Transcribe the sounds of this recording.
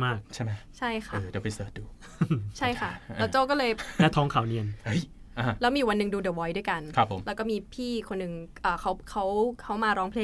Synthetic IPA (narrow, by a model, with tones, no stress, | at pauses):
maː˥˩k̚t͡ɕʰa˥˩jma˦˥t͡ɕʰa˥˩jkʰa˥ʔɤː˧dɛː˧˩pa˧jsɤː˨˩t̪̚duː˧ | t͡ɕʰa˥˩jkʰa˥˩ɛ˦˥wt͡ɕaː˥˩wk̬ɔː˥˩lɤː˧jlɛ˦˥t̪ʰɔː˦˥ŋkʰa˨˩wni˧˩ənhj | ʔa˨˦lɛː˦˥wmiː˧˨˩wa˧nːɯ˨˩ŋduː˧dɤː˧˩wɔː˦˥jdu˥˩jka˧nkʰa˦˩pʰːo˩˦mlɛ˦˥wkɔː˥˩miː˧pʰiː˥˩kʰo˧nːɯ˨˩ŋʔəː˨˩kʰa˦˥wkʰa˦˥wkʰa˦˥wmaː˧ɾɔː˦˥ŋpʰleː˥˩